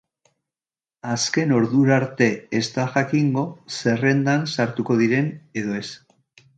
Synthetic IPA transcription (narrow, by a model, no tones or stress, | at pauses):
aske̞no̞ɾðuɾaɾt̪e̞est̪aʝakiŋɡo̞se̞re̞nd̪ansaɾt̪uko̞ðiɾe̞ne̞ð̞o̞e̞s